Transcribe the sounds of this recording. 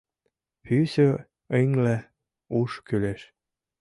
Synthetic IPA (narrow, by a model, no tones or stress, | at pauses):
hysø | eŋlæ | uʃkyleʃ